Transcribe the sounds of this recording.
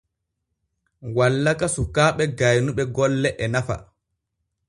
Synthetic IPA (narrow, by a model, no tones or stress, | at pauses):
walːakasukaːɓɛɡajnuɓɛɡɔlːɛʔɛnafa̰